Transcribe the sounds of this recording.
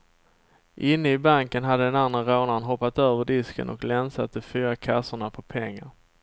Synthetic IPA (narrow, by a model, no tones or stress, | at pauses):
ʔɪnːəɪbaŋkənɦad̪ːəd̪ɛnanaɾoːnanɦɔpːat̪øːvəɖɪskə̰nʔɔ̰klɛnsat̪̚d̪ɛfyːɾakʰasːʊɳapʰɔpʰɛŋːaɾ